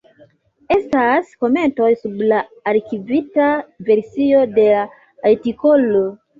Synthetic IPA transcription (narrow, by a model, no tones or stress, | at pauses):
e̞stasko̞me̞nto̞jsublaːɾkivitave̞ɾsio̞de̞la | aɾtiko̞lo